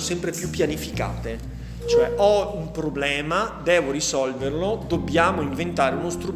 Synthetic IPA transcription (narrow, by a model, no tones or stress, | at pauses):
sɛmpɾepjupːjanifika̰ːt̪e | t͡ʃoɛʔɔumpɾoblɛːmad̪ɛːvoɾisɔlverlod̪objaːmoiɱvent̪aːɾeunost̪ɾu